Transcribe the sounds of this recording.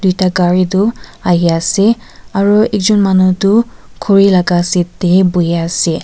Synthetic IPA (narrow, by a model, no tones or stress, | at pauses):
d̥ujtaɡaɹidʊaɦiasɛ | aɹuɛk̚zɔnmanutʊkʰɔɹilaɡasɛtebujasɛ